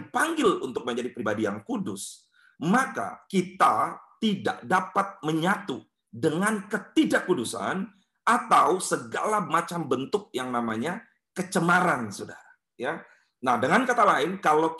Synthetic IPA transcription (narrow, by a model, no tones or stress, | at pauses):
paŋɡɪlunt̪ʊk̚məɲd͡ʒadipɾibadijaŋkudʊs | maka̰kit̪at̪ida̰ʔdapat̪̚məɲat̪u | dəŋankət̪idaʔkudusa̰n | at̪awsəɡalamat͡ʃambənt̪ʊk̚jaŋnamaɲa | kət͡ʃəmaɾansodaɾa | ja | nahdəŋankat̪alaɪnkalo